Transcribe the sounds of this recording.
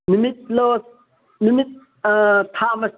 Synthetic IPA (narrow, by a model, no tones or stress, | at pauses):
nimit̪̚loː | nimit̪̚ | t̪ʰaːmɐs